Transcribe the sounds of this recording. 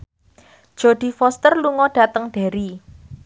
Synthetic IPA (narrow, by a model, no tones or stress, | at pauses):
ʒ̥o̤ɖ̥i̤fɔst̪ərluŋɔɖ̥a̤t̪əŋɖ̥a̤ɾi